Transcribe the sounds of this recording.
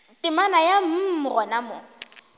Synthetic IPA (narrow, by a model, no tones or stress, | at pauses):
tʼɪmanajam̩rɔnamʊ̰